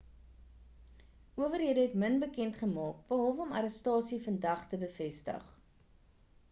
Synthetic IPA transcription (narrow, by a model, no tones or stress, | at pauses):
ʔuəvərɦiədəɦɛtmənbəkɛntχəmɑːk̚b̥əɦɔlˠvəɔmɐɾəstɑːsifəndɐχtəbəfɛstə̰χ